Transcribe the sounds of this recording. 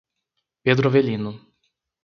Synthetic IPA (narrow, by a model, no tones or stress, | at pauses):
ped̪ɾovelĩnʊ